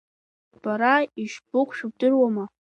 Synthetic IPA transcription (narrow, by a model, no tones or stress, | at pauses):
b̥aɾaiʃbʊqʷʰʃᶣub̚dɨrwama